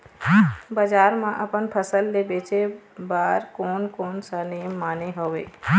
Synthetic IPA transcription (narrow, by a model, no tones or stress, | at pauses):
bəd͡ʒaːɾmãʔəpənpʰəsəlːebeːt͡ʃe | baːɾkoːnkoːnsanɪjəmːaːneɦoːʋḛː